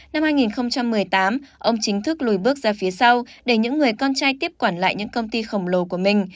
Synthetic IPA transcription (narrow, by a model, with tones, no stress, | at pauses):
na˧mhaː˧jŋi˨˩nxə˧wŋ͡mt͡ɕa˧mːɨ˨˩əjt̪aː˨˦mʔə˧wŋ͡mt͡ɕï˨˦ŋ̟t̪ʰɨ˦˥k̚lu˨˧˩jɓɨ˦˥ək̚zaː˧fi˨˦sa˧wɗe˧˩ɲɨ̰˧˥ŋːɨ˨˩əjkɔ˧nt͡ɕaː˧jt̪i˦˥əp̚kwaː˧˩nla̰ː˧˨jɲɨ̰˧˥ŋkə˧wŋ͡mt̪i˧xə˧˩wŋ͡mlo˨˦ku˧˩əmï˨˩ŋ̟